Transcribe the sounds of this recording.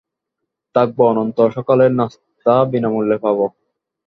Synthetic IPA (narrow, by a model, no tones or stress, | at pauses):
t̪aɡ̚boɔnont̪oʃɔkoleɾnas | t̪abinamulːepʰaβo